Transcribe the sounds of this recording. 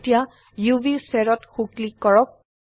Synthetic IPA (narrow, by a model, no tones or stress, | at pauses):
tija | jubisɛɹɔtxuklikːɔɹɔp̚